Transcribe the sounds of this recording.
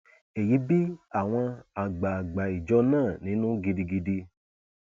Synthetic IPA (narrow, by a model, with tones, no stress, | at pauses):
e˨ji˨˦bi˦a˦˨w̃ɔ̃˧a˨ɡ͡ba˨ɡ͡ba˨i˨d͡ʒɔ˧˦nãː˦˨nĩ˨˦nũ˦ɡi˧di˧ɡi˧di˧